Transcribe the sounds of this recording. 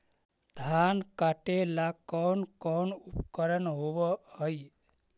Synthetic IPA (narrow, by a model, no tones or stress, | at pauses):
d̪ʱankaʈelakɔnkɔnupkəɾənɦobəɦəj